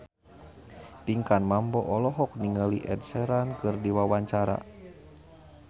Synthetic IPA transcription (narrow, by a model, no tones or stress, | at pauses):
piŋkanmambɔʔɔlɔɦɔk̚niŋaliʔɛd̚sɛɾankɨrdiwawaɲt͡ʃaɾa̰